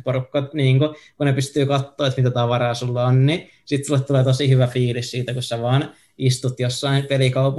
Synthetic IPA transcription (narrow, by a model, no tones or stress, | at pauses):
porukːɑt̪niːŋkokunepyst̪yːkɑt̪ːoːet̪mit̪æt̪ɑːʋɑrɑːsulːɑonni | sit̪sulːet̪t̪uleːt̪osihyʋæfiːlissiːt̪ækusæʋɑːn | ist̪ut̪josːɑinpelikɑupu